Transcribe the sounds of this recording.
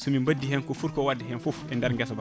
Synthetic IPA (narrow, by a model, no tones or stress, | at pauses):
sumimbɐdːihɛnkofuɾkowadiɦɛnfufɛndaɾɡɛs̬ba